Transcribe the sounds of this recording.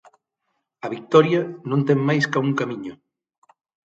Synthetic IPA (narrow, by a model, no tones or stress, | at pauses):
ɐβik̚t̪ɔɾjɐnõnt̪eŋmajskauŋkamĩɲʊ